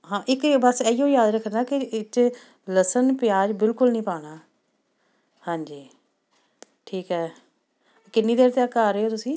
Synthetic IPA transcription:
ɦãːʔɪkbəseijõːjaːd̪ɾəkʰːəaːkɪɪt͡ʃ | ləsənpɪjaːd͡ʒbɪlkʊlnəĩːpaːɽaː | hãːɲd͡ʒiː | ʈʰiːkɦɛː | kɪnːiːd̪eːɾt̪eːəkaːɾəːoːt̪ʊsĩː

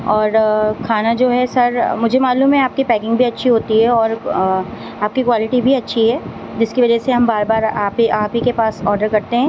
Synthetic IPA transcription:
ɔːɾkʰaːnad͡ʒoːɦɛsɐɾmʊd͡ʒʱemaːluːmɦɛaːp̚kipɛːkɪ̃ŋɡbʱiɐtːʃʰiɦoːt̪iɦɛɔːɾ | aːp̚kikwaːlɪʈibʱiɐtːʃʰiɦɛː | d͡ʒɪskiʋɐd͡ʒɛseɦɐ̃mbaːɾbaːɾaːpiʔaːpikepaːsɔːɾɖəɾkɐɾt̪eɦɛ̃ː

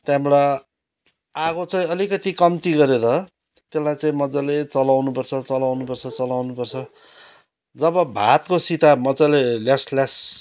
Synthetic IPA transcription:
t̪jamɽa | aɣot͡saĩʌlikʌt̪ikʌmt̪iɡʌɾeɾʌ | t̪elːajt͡saĩmʌd͡zalet͡sʌlawnupʌrt͡sʰʌt͡sʌlawnupʌrt͡sʰʌt͡sʌlawnupʌrt͡sʰʌ | d͡zʌβʌbʱat̪kosit̪amʌd͡zaleljasljas

